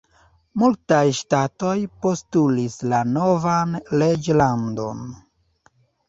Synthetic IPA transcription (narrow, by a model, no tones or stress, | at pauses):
multajʃtato̞jpo̞stulislano̞vanled͡ʒlando̞̰n